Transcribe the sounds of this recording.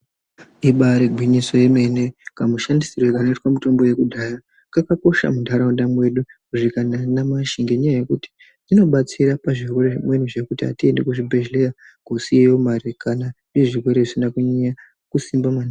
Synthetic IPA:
iɓaɾeɡʱwiɲiso̞je̞me̞ne̞kamuʃandisirwekanoitwamuto̞mbo̞je̞kudʱaːja | ŋakako̞ʃa̰mundʱaɾaundamwe̞ɗukuʐikananamaʃiŋɡeɲajaje̞kuti̥ | ino̞ɓat͡siɾapaʐirwe̞ɾeʐimwe̞nuʐekutia̰tie̞nde̞kuʐibʱeʒlea | ɡ̥ʱo̞sijejomaɾikʰananeʐirwe̞ɾeʐisinakuɲeja | kusimbamani

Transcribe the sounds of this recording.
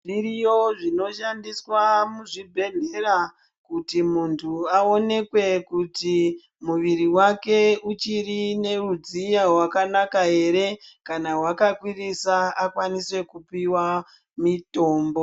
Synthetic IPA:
ʐiɾijoʐino̞ʃandiswamuʐibʱe̞ɮe̞ɾa | kutimuntʰuao̞ne̞kwe̞kuti | muʋiɾiwake̞ut͡ʃirine̞rud͡zijaɦwakanakae̞ɾe̞kanawakakwirisaakwaniswe̞kupiwa | mito̞ːmbo̞

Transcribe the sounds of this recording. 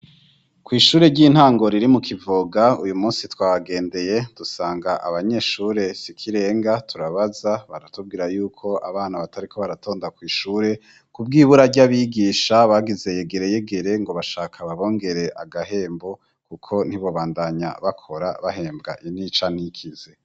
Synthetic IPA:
kwiːʃuːɾe̞ɟiːn̥haːŋɡo̞ɾiɾimukʰivoɡaṵjumuːnsitwaːβaɡe̞ːnde̞je̞d̥usaːŋɡaʔa̰βaɲe̞ʃuːɾe̞sikʰiɾe̞ːŋɡatʰuɾaβazaβa̰ɾatub̚ɡiːɾajuːkʰo̞ʔaβaːnaβatʰaɾikʰo̞βaɾato̞ːndakwiːʃuːɾe̞ | kubɡiːβuɾaɟaβiɡiːʃaβaːɡize̞je̞ɡe̞ɾe̞je̞ɡe̞ɾe̞ŋɡo̞βaʃaːkʰaβaβo̞ːŋɡe̞ɾe̞ʔa̰ɡahe̞ːmbo̞ | kukʰo̞n̥hiβo̞βaːndaɲa̰βakʰo̞ɾa̰βaɦe̞ːmbɡa̰ʔinit͡ʃanikʰize

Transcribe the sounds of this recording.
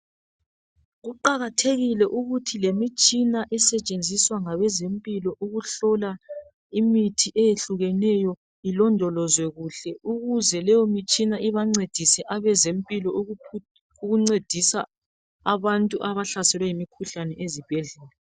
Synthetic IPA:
ɣuǃaɣatʰeɣilɛʔuɣutʰilemit͡ʃʼinaʔɛsɛt͡ʃʼend͡zʱiswaŋaβɛzempʼilɔʔuɣuɬɔla | imitʰiʔɛjeɬuɣɛnɛjɔ | ilɔndʱɔlɔzwɛɣuɬɛuɣuzɛlɛjɔmit͡ʃʼinaʔiβaŋ͡ǀed̥ʱisɛʔaβɛzempʼilɔ | uɣuŋ͡ǀed̥ʱisa | aβantʼuʔaβaɬasɛlwɛjimikʰuɬanɛʔezib̥ʱɛɮɛːlɛ

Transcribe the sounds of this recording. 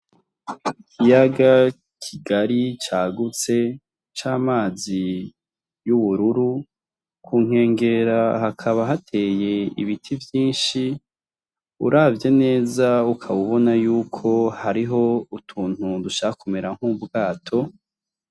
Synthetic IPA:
ikʰijaɡa | kʰiɡaɾit͡ʃaːɡut͡se̞ | t͡ʃaːmaːzi | juβuɾuɾu | kʰuːŋ̥e̞ːŋɡe̞ɾahakʰaβaɦatʰe̞ːje̞ḭβitʰivjiːnʃi | ṵɾaːvje̞ne̞ːzaukʰaβuβo̞najuːkʰo̞haɾiɦo̞utʰuːn̥huduʃaakʰumeɾaŋ̥hubɡaːtʰo̞

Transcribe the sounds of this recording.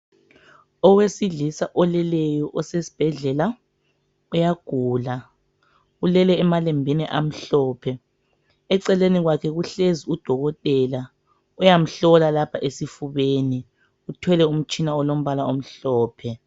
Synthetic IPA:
ɔwesiɮisaʔɔlɛlɛjɔʔɔsesi̥b̥ʱɛɮɛla | ujaɡ̥ʱuːla | ulɛlɛːmalɛmbʱiniʔam̩ɬɔːpʰɛ | ɛǀɛleniɣwakʰɛɣuɬeziud̥ʱɔɣɔtʼɛla | ujam̩ɬɔlalapʰaʔesifuβeːni | utʰwɛlɛum̩t͡ʃʼinaɔlom̩βalaom̩ɬɔːpʰɛ

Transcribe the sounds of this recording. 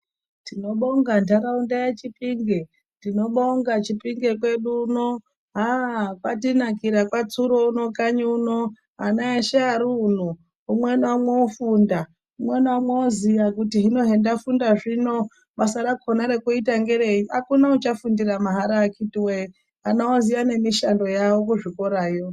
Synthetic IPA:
tino̞ɓo̞ŋɡantaɾaundajet͡ʃipiŋɡe | tino̞ɓo̞ŋɡat͡ʃipiŋɡe̞k̬we̞ɗuno | ɦakwatinakiɾakwat͡suɾo̞uno̞kaɲuno | ɦanaeʃeaɾun̤u | umwenwamweofunda | umwenamweozijakutiɦino̞ɦe̞ndafundaʐino̞ | ɓasaɾakʰonaɾe̞kuitaŋɡe̞ɾeiakunaut͡ʃafundiramaɦaɾaːkitiwe | anaozijane̞miʃando̞jawo̞kuʐiko̞ɾaːjo

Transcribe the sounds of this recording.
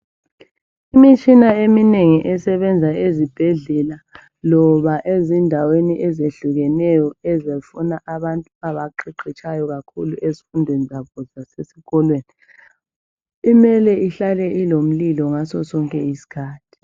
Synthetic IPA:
imit͡ʃʼinaemineŋiʔɛsɛβɛnd͡zʱaezib̥ʱɛɮɛla | lɔβaʔezindʱaweniʔɛzeɬuɣɛnɛjɔɛzefunaʔaβantʼuaβaǃiǃʰit͡ʃʼʰajɔɣakʰuluʔezifundʱwenizaβɔzasesiɣɔlweːni | imɛlɛiɬalɛʔilom̩lilɔŋasɔsɔŋkʼɛisi̥kʰaːtʰi̥

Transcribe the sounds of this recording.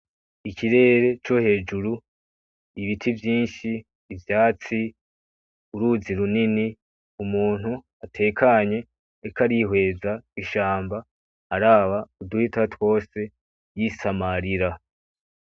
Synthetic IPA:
icʰiɾe̞ːɾe̞t͡ʃo̞he̞ːd͡ʒuɾu | iβitʰivjiːnʃiː | vjaːt͡si | uɾuziɾunini | umuːn̥hu | atʰe̞ːkʰaɲe̞ː | kaɾihwe̞ːzaiʃaːmba | haɾaːβauduhitatwo̞ːse̞ | jisamaɾiɾa

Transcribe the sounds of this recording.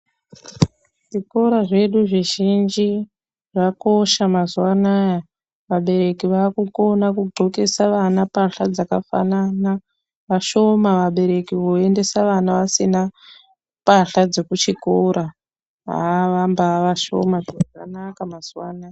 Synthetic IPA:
ʐ̥iko̞ɾaʐe̞ɗuʐiʒind͡ʒi | ʐako̞ʃamazuwanaːja | ʋaɓe̞ɾe̞kiʋaːkuko̞nakuɡ͡ǃʱoke̞saʋanapaɬad͡zakafa̰nana | ʋaʃo̞maʋaɓe̞ɾe̞kiʋoe̞nde̞saʋanaʋasina | paɬad͡zo̞kut͡ʃikoɾa | ɦa̰ʋambaʋaʃo̞̰mad͡zaakanakamaz̥uwanaja

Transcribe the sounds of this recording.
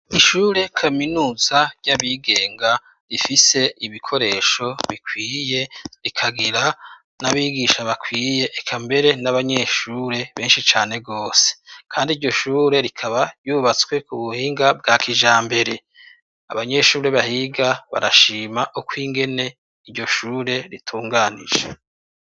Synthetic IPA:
iʃuːɾe̞kʰaminuːzaɾɟaβiɡe̞ːŋɡa | ɾifise̞iβikʰo̞ɾe̞ːʃo̞βikʰwiːje̞ɾikʰaɡiɾa | naβiːɡiʃaβakwiːje̞ʔːkʰambe̞ɾe̞naβaɲe̞ʃuɾe̞βe̞ːnʃit͡ʃaːne̞ɡo̞ːse̥kʰaːndiɾɟo̞ʃuːɾe̞ɾikʰaβaɾjuːβat͡skwe̞kuβuhiːŋɡab̚ɡaːkʰiʒaːmbe̞ɾe̞ | a̰βaɲe̞ʃuːɾe̞βahiɡaβa̰ɾaʃiːmaʔukwiːŋɡe̞ne̞ | iɾɟo̞ʃuːɾe̞ɾitʰuːŋɡaːnḭʒe

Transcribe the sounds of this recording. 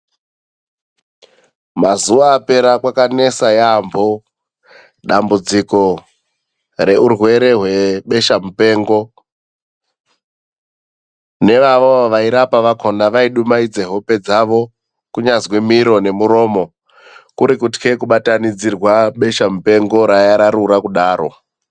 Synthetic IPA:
mazuʋaːpe̞ɾakwakane̞sajambʱo | ɗambud͡ziko̞ | re̞urwe̞ɾe̞ɦwe̞ɓe̞ʃamupe̞ːŋɡo̞ | ne̞ʋaʋoaʋaiɾapaʋakʰo̞ndaʋaiɗumaid͡ze̞ɦo̞pe̞d͡zaʋo̞ | kuɲazwimiɾo̞ne̞muɾo̞ːmo̞ | kuɾikutkʰe̞kuɓatanid͡zirwaɓe̞ʃamupe̞ŋɡo̞ɾajaɾaɾuɾakuɗaːɾo̞̰

